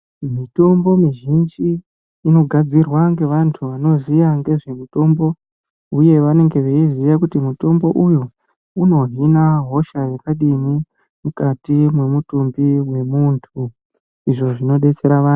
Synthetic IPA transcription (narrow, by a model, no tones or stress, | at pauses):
mito̞mbo̞miʒind͡ʒiː | no̞ɡʱad͡zirwaŋɡe̞ʋantʰuʋano̞zijaŋɡe̞ʐe̞mito̞mbo̞ | uje̞ʋane̞ŋɡe̞ʋe̞iziʋakutimuto̞mbo̞ʔuju | uno̞ɦinaɦo̞ʃajekaɗimi | mukatimwe̞mutumbiwe̞muntʰu | iʐo̞ʐino̞ɗe̞t͡se̞ɾaʋaːn